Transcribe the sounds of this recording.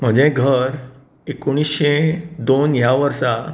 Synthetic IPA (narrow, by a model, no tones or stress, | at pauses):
m̤əd͡ʑeɡʱəɾ | ekuɽ̃isɕed̪onjaʋəɾsa